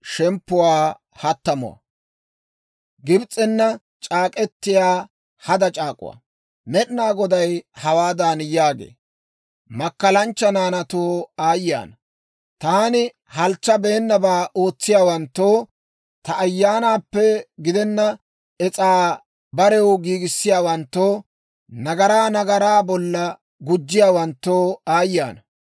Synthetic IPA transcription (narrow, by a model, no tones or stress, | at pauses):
ʃɛmpːʊwaː | hɐt̪ːɐmʊ̰wɐ̰ | ɡɪbt͡sʼːɛnːɐ | t͡ʃʼaːkʼɛt̪ːɪjaː | hɐd̪ɐt͡ʃʼaːkʼʊ̰wa̰ | mɛɗnaːɡɔd̪ɐjhɐwaːd̪aːnjaːɡḛː | mɐkːɐlɐnt͡ʃːɐnaːnɐt̪oːaːjɪja̰ːnɐ | t̪aːnɪ | hɐlt͡ʃːɐbe̞ːnːɐbaːʔo̞ːt͡sːɪjaːwɐnt̪ːoː | t̪ɐʔːjːaːnaːpːɛɡɪd̪ɛnːɐ | ɛt͡sʼaː | bɐɾɛwɡiːɡɪsːɪjaːwɐnt̪ːoː | nɐɡɐɾaːnɐɡɐɾaːbɔlːɐ | ɡʊd͡ʒːɪjaːwɐnt̪ːoːaːjːa̰ːnɐ